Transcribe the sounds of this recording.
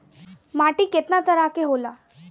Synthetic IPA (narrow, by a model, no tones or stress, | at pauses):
maʈiːket̪nat̪əɾakeɦola